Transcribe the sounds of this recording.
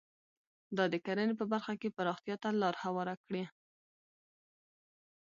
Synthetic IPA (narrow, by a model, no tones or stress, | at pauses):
d̪ɑd̪əkaɾənep̬əbaɾxakepaɾɑxt̪jɑt̪alɑɾhawɑɾakɽe